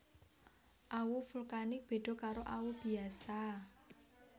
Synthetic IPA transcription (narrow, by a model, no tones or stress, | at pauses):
ʔawufulkanɪk̚b̥e̤d̪̥ɔ̤kaɾoʔawub̥i̤asa